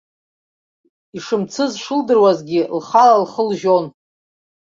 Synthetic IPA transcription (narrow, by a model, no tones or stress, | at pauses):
iʂɨmt͡sʰɨzʂɨldɨrwazɡʲilχalalχəlʒon